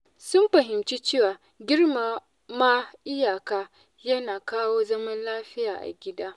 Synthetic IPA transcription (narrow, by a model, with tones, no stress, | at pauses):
sʊ˦mɸɐ˨ɦɪ˨mt͡ʃiː˦t͡ʃeː˦˨waː˨ | ɡʲɪ˦rma˨ | maː˦ʔɪ˦jaː˨kaː˦ | jɐ˦naː˨kaː˦woː˦zɐ˦mɐ˦nlaː˦ɸɪ˦jaː˨ʔa̰˨ɡʲɪ˦daː˦